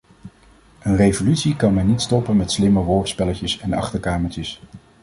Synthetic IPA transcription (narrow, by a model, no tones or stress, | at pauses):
ənrejvolytsikɑnmɛnːitstɔpənmɛtslɪməʋɔɹtspɛlətəsɛnɑ̰χtəɹkaːməɹt͡ʃəs